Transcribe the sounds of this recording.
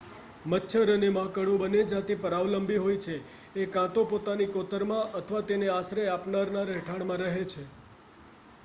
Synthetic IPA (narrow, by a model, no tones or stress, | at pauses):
mətːʃʰəɾənemãkəɽũbəned͡ʒat̪ipəɾaʋləmbiɦojt͡ʃʰeː | kãt̪õpot̪anikot̪əɾmãʔət̪ʰəʋat̪eneasɾeapnaɾnaɾəɦʈʰaɽmãɾəɦet͡ʃʰe